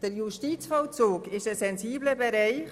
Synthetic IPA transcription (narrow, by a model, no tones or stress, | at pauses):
d̥əɾjuʃtiːt͡sfɑlt͡suːkɪʃəsɛnziːbləbɛɾɛɪχ